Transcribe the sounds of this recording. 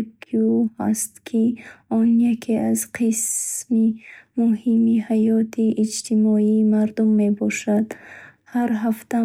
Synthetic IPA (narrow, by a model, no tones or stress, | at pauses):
kʰuha̰st̪kʰiɔnjakʰeʔazqʰismimuhimihajɔt̪ʰiʔːd͡ʒt̪ʰimɔiːmaɾd̪umːe̞bɔʃad̪ | haɾɦaft̪a